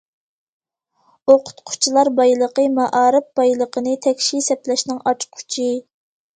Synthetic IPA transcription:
oqʰʊ̥t̪qʰʊ̥t͡ʃʰilˠɑɾbɑjlˠəqəmɑʔɑːɾɨp̚b̥ɑjlˠəqʰənɨt̪ʰɛkʲʃisɛplɛʃnɪŋʔɑt͡ʃqʰʊ̥t͡ʃʰi

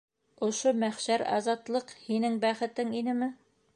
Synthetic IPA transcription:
ŏʃomæχʃæɾɑ̰zɑt̪lˠɤqhinɘŋbæχɘ̆t̪ɘŋinɘmɘ

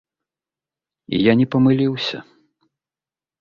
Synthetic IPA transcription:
ḭjanʲɛpɐmɨlʲiwsʲɐ̰

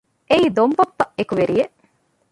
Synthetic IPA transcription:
ʔeiːd̪ombɐpːɐʔekuʋeɾijeʔ

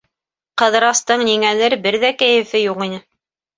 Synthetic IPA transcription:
qɤ̆ðɤ̆ɾɑst̪ɤɴniŋælɘɾbɘɾðækæjɘ̆fɘjuqinɘ

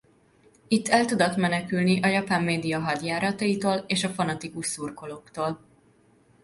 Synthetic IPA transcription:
it̪ːɛlt̪ud̪ot̪mɛnɛkylniʔɒjɒpaːmːeːd̪ijɒɦɒɟ̪jaːɾɒt̪ɒit̪oːleːʃɒfɒnɒt̪ikuʃsurko̞loːkt̪oːl

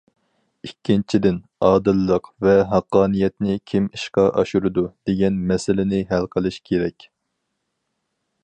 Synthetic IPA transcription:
ikʲʰːint͡ʃʰid̪ɪn | ɑːd̪ɨlˠːəqvɛɦɑqːɑːnijɛt̪nɪkʲʰimiʃqɑʔɑʃuɾɨd̪ud̪̥eɡʲɛnmɛsɪlɪnɪɦælqʰəlˠɨʃkʲʰeɾɛkʲ

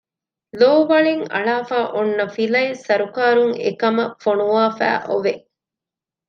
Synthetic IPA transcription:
loːʋɐɭeŋɐ̰ɭaːfaːʔonːɐfilɐisɐɾukaːɾuŋḛkɐmɐfonuʋaːfæ̰ːʔoʋe

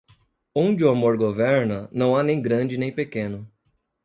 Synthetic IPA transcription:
õd͡ʒɪʊamoɾɡovɛɾnɐnɐ̃w̃anẽj̃ɡɾɐ̃d͡ʒɪnẽj̃pekẽnʊ

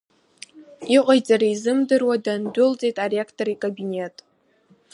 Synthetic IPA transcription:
iqʷʼajd͡zʼaɾaizɨmdɨrwadandʊlt͡sʼejtʼareekʰtʰʼoɾikʼabinʲe̞tʼ

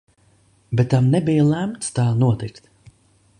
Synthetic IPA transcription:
bɛt̪ːamnɛbijlæmt̪st̪aːnuɔt̪ikt̪

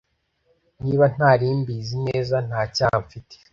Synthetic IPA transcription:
niːβan̥aːɾiːmbiːzine̞ːzan̥haːcaːɱfitʰe̥

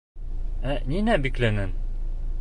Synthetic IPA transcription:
æninæbiklænɘn

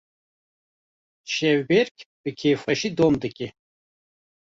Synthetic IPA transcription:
ʃɛwbeɾkʲʰbɨkʰefɐʃid̪omd̪ɨkʲʼi

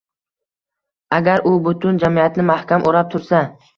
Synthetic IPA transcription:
aɡʲaɾʔʊbʊt̪ʰʊnd͡ʒamiat̪nɪmahkʲamʔoɾap̚t̪ʰʊɾsa

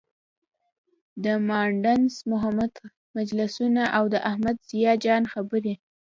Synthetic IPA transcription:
d̪əmɑɳɖansmʊɦamad̪ | mad͡ʒlɪsunaʔawd̪əʔahmad̪z̥ijɑd͡ʒɑnxabəɾi

